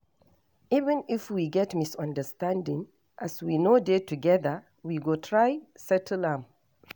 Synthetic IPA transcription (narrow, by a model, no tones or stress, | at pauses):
ivə̃nifwiɡɛtmisɔ̃ndəstãndɪ̃ŋ | ʔaswinodetʰuɡɛðə | wiɡotʰɹajsɛtʰlãm